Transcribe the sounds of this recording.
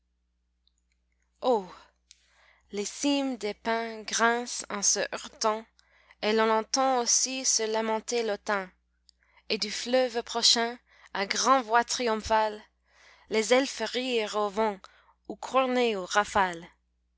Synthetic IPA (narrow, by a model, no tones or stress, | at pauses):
o | lesimd̪epɛ̃ɡʁɛ̃sɑ̃səʔœʁt̪ɑ̃ | elɔ̃nɑ̃t̪ɑ̃osisəlamɑ̃t̪elot̪ɛ̃ | ed̪yflœvpχɔʃɛ̃ | aɡʁɑ̃vwat̪χiɔ̃falː | ezɛlfəʁiʁovɑ̃ | ukʰuʁneoʁafal